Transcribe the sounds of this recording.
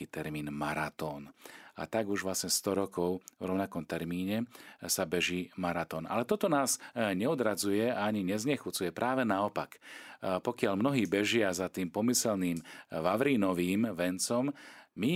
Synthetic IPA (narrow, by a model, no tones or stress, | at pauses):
iːt̪ɛɾmiːnmaɾat̪ɔːna̰t̪aɡuʒʋlasɲɛst̪ɔɾɔkɔʊvɾɔʊnakɔmt̪ɛɾmiːɲɛsabɛʒiːmaɾat̪ɔːna̰lɛt̪ɔt̪ɔnaːzɲɛɔd̪ɾad͡zujɛaaɲiɲɛzɲɛxut͡sujɛpɾaːʋɛnaɔpakpɔkɪalmnɔɦiːbɛʒɪazat̪iːmpɔmisɛlniːmʋaʋɾiːnɔʋiːmʋɛnt͡sɔmmi